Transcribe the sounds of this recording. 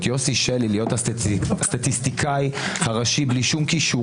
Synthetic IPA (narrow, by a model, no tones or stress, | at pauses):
t̪josiʃelilijo̞t̪hast̪at̪ist̪ikʰajhaʁaʃibliʃumkiʃu